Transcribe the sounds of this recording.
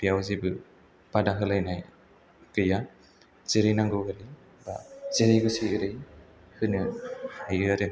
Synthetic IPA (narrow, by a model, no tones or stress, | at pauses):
bijawzibɯ | b̥adaɦɯlajnaj | kɯja | z̥eɾɯjnaŋɡɯɯɾi | ba̰z̥eɾɯjɡɯsiɯɾɯj | hɯnɯhajɯɾaɾe